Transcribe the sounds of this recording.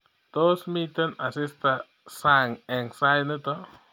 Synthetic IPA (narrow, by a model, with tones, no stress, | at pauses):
t̪osmit̪e˦na˨sist̪a˨ | saŋe˨ŋsa˦jnɪ˦t̪o